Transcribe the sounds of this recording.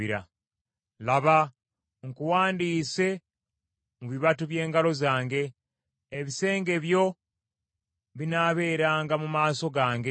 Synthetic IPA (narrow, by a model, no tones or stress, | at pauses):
iɾa̰ | laβa | ŋkuwaːndiːse̞ | muβiβatuβje̞ːŋɡalo̞zaːŋɡe̞ː | βise̞ːŋɡe̞βjo̞ | βinaβe̞ːɾaːŋɡamumaːso̞ɡaːŋɡe